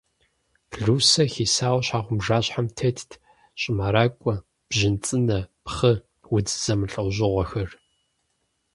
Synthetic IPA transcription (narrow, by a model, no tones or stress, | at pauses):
ɮuːsɐxiːsaːwɐɕħaːʁʷʊmʒaːɕħamtʰetʰtʰ | ɕʼɪmaɾaːkʷʼɔ | b̥ʑɪnt͡sʼɨnɐpχɨ | wʊd͡zɨz̥ɐmɨɬʼɐwʑɪʁʷɔxɐr